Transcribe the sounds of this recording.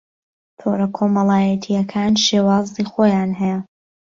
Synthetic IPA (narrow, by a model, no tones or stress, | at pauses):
t̪ʰoɾɐkʰomɐlˠaːjɐt̪ʰijɐkʰaːnʃeːwaːziːxoːjaːnɦɛjɛ